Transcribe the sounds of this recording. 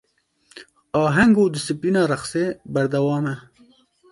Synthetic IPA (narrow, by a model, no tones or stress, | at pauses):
ɑːɦaŋɡoːd̪əsipinɑːɾaχsebɐɾd̪awɑːme